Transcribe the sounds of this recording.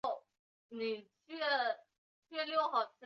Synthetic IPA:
ni˨˩t͡ɕʰɥɛ˥˩ | t͡ɕʰɥɛ˥˧ljo˥˩ʊxɑ˨˩ʊt͡ɕʰi˥

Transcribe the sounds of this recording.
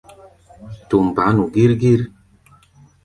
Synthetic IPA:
tu˨m˨ba˨˦nu˨ɡi˦ɾɡi˦ɾ

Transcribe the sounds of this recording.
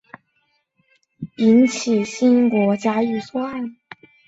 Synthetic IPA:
i˧˥nt͡ɕʰi˨˩ɕi˥nkwɔ˧˥t͡ɕja˧˥y˨˩swa˥˩n

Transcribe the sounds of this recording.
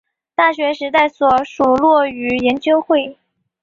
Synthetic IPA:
t̪a˥˩ɕɥɛ˧˥ʂɻ̩˧˥t̪a˥˩ɪswɔ˨˩ʂu˨˩lwɔ˥˩y˧˥jɛ˧˥nt͡ɕjo˥ʊxwe˥˩ɪ

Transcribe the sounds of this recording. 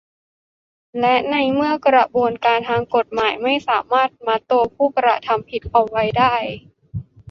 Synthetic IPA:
lɛ˦˥ʔna˧jmɯ˥˩əkɾa˧˩buː˧ənkaː˧nt̪ʰaː˧ŋko˨˩t̪̚maː˩˦jma˥˩jsaː˩˦maː˥˩t̪̚maː˧t̪o˧pʰuː˥˩kɾa̰˧˩t̪ʰa˧mpʰi˨˩t̪̚ʔa˨˩wwa˧jdaː˥˩j

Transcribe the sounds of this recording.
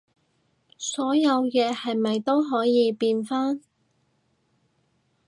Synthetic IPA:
sɔː˨˥jɐ˨˧wjɛː˨˧hɐ˨jmɐ˨jt̪o˥wɦɔː˨˥jiː˨˧piː˧nfaː˥n

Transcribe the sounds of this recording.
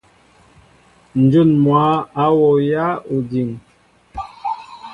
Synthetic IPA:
n̩˨d͡ʒu˦˨nmwa˨˦a˨˦wɔ˨ja˦u˨di˨ŋ

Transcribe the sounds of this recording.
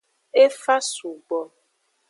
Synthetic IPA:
e˦fa˦su˨ɡ͡bɔ˨

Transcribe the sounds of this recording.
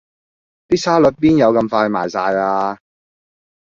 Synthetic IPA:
t̪iː˥sʰaː˥lɵ˨˥t̚piː˥njɐ˨˧wkɐ˧mfaː˧jmaː˨˩jsaː˧jaː˧

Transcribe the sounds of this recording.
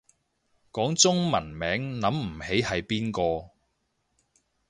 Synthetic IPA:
kɔː˨˥ŋt͡sʊ˥ŋmɐ˨˩nmɛː˨˥ŋnɐ˨˥mm̩˨˩he˨˥jhɐ˨jpiː˥nkɔː˧

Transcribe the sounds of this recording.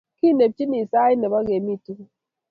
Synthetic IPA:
ki˦˨ne˨p̚t͡ʃi˦ni˨sa˦i˦ne˨ba˦ɡe˨mi˦˨tu˦ŋ˦

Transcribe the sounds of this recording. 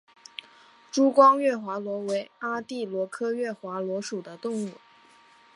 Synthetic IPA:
ʈ͡ʂu˥kwɑ˥ŋɥɛ˥˩xwa˧˥lwɔ˧˥we˧˥ɪa˥t̪i˥˩lwɔ˧˥kʰɤ˥ɥɛ˥˩xwa˧˥lwɔ˧˥ʂu˨˩d̪ə˦t̪ʊ˥˧ŋu˥˩

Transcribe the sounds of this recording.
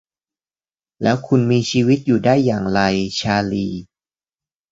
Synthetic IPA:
lɛː˦˥wkʰu˧nmiː˧t͡ɕʰiː˧wi˦˥t̪̚juː˨˩daː˥˩jːaː˨˩ŋɾa˧jt͡ɕʰaː˧liː˧

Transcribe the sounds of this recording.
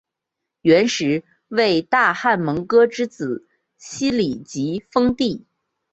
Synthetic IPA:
ɥɛ˧˥nʂɻ̩˧˥ | we˥˩˧ɪt̪a˥˧xa˥˩nmɤ˧˥ŋkɤ˥ʈ͡ʂɻ̩˥t͡sɹ̩˨˩˦ | ɕi˥li˨˩t͡ɕi˧˥fɤ˥ŋt̪i˥˩

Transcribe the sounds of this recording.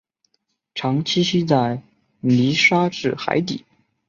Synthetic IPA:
ʈ͡ʂʰɑ˧˥ŋt͡ɕʰi˥ɕi˥t͡sa˥˩ɪ | li˧˥ʂa˥ʈ͡ʂɻ̩˥˩xa̰˧˥ɪt̪̬ḭ˨˩˦

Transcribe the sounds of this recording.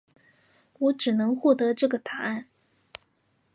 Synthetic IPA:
wɔ˧˥ʈ͡ʂɻ̩˨˩nɤ˧˥ŋxwɔ˥˩t̪ɤ˧˥ʈ͡ʂɤ˥˩ɡə˩t̪ʰa˨˩a˥˩n

